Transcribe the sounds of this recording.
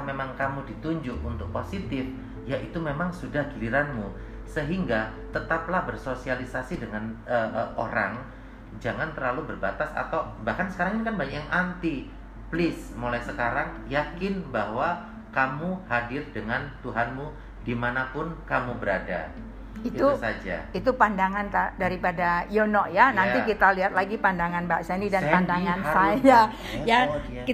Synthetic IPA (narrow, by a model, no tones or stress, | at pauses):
memaŋkamudit̪uɲd͡ʒʊkunt̪ʊk̚posit̪ɪf | jaʔit̪umemaŋsudahɡiliɾanmu | səɦiŋɡat̪ət̪ap̚lahbərsosialisasidəŋanəʔo̰ɾa̰ŋ | d͡ʒaŋant̪ərlalubərbat̪asa̰t̪awbahkansə̥kaɾaŋɪnkanbaɲakjaŋant̪i | plɪsmolajsəkaɾaŋ | jakɪnbahwa | kamuhadɪrdəŋant̪uɦanmu | dimanapʊnkamubəɾada̰ | it̪usad͡ʒa̰it̪upandaŋant̪adaɾipadajonɔʔjananikit̪aliɦat̪̚laɡipandaŋanbaʔsanidanpandaŋansaja | ja | ki